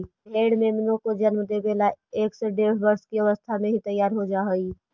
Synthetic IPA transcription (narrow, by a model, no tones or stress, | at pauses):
bʱeɽmemɪnokod͡ʒənmd̪ebelaeksɔɖeɽ̤bəɾskiəβəst̪ʰamẽɦit̪əjːaɾɦod͡ʒaɦəi